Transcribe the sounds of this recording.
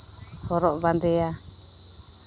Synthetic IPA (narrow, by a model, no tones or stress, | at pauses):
hɔɾɔʔband̪ɛa